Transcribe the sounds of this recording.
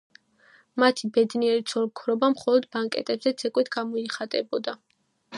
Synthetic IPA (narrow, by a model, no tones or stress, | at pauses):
mat̪ʰibɛd̪niɛɾit̪sʰɔɾkʰɾɔbamχɔlˠɔd̪baŋkʼɛ̰t̪ʼɛbzɛt̪sʰɛkʼwit̪ʰɡ̥amɔiχat̪ʼɛbɔd̪a